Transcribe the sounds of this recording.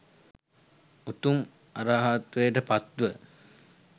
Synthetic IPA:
ut̪um | aɾaːɦat̪ʋejəʈəpat̪ːuʋə

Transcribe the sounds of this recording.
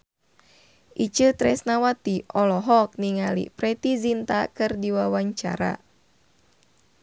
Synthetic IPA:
ʔit͡ʃɨt̪ɾɛsnawat̪iɔlɔɦɔk̚niŋalḭpɾɛt̪izint̪a̰kɨrdiwawaɲt͡ʃa̰ɾa̰

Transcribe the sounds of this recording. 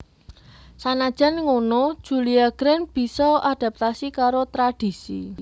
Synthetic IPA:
sanad̥ʒ̥a̤nŋonod̥ʒ̥ṳliaɡ̥ɾɛnb̥i̤sɔad̥a̤p̚t̪asikaɾot̪ɾad̥i̤sḭ

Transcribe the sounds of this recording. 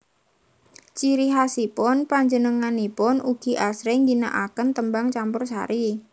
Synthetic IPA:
t͡ʃiɾiɦasipʊnpaɲd͡ʒənəŋanipʊnuɡ̥i̤ʔasɾeŋɡina̰ʔakənt̪əmbaŋt͡ʃampʊrsa̰ɾi

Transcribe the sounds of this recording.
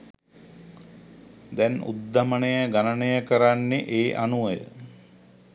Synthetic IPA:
d̪ɛnṵd̪ːamənejəɡanənəjəkəɾanːeʔeːʔanuəjə̰

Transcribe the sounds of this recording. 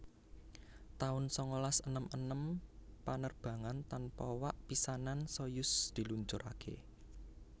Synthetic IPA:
t̪aʊnsɔŋolasənəmʔənəmpanərb̥ä̤ŋant̪anpɔwaʔpisanansɔjʊsd̪̥i̤luɲt͡ʃʊɾʔa̰kʰḛ

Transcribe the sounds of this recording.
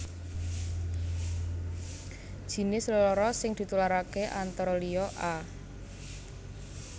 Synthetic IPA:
d̥ʒ̥i̤nɪslɔlɔɾɔsɪŋd̪̥i̤t̪ulaɾakeʔant̪ɔɾɔliɔʔa

